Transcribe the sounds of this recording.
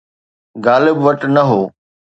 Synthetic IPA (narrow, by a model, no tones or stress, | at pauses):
ɡaːlɪbʋɐʈnɐɦoː